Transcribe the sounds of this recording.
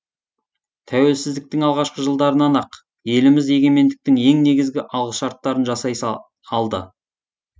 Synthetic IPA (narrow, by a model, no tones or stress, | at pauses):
t̪ʰæwe̞lsɪzd̪ɪk̚t̪ɪŋɑlˠʁɑʃqəʒəlˠd̪ɑɾənɑnɑq | je̞lɪmɪze̞ɡʲe̞me̞nd̪ɪk̚t̪ɪŋe̞ŋne̞ɡʲɪzɡʲɪʔɑlˠʁəʃɑɾt̪ːɑɾənʒɑsɑjs | ɑlˠd̪ə̰